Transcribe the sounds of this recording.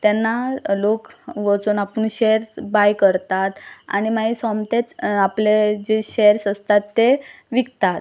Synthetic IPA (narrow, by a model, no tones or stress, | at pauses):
t̪janːalokʋət͡suːnapəɳɕeɾsbajkəɾt̪at̪a̰ñimaisɔmt̪et͡sapled͡ʑeɕeɾsəst̪at̪ːe | ʋikt̪at̪